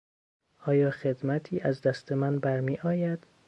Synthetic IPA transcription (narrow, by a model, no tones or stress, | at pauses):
ʔɒːjɒːxed̪mæt̪ʰiːʔæzd̪æst̪ʰe̞mænbæɾmiːʔɒːjæd̪̥